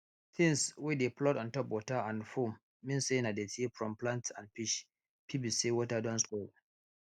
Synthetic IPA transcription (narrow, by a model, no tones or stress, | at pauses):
t̪ʰɪ̃ŋswideplɔtɔ̃ntɔpwɔtaʔãndfomː | ĩnsenadetifɹɔ̃mplantsa̰ndpiʃ | pibisewɔtadɔ̃nskol